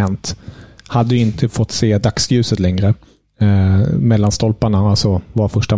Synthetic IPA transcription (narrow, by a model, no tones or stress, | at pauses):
ɛnt̪had̪ːəjɵɪnt̪ʰəfɔt̪ːseːd̪aksjʉ̟ːsət̪lɛŋɾə | mɛlːanst̪ɔlpaɳaalsɔvaɾfœʂʈa